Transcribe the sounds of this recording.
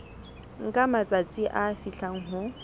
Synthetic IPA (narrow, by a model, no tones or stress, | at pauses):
ŋ̩kʼamat͡sʼat͡sʼɪʔaːfiɬaŋ̩ɦʊ